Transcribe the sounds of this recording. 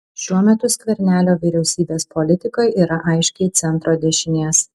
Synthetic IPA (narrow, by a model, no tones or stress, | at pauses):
ʃʲuɔmʲɛt̪ʊsʲkʲʋʲɛɾʲnʲæːlʲoːʋʲiɾʲɛʊsʲiːbʲeːspɔlʲɪt̪ʲɪkojʔiːɾɐʔɐɪʃʲkʲɛɪt̪sʲɛnt̪ɾoːd̪ʲeɛʃʲɪnʲeːs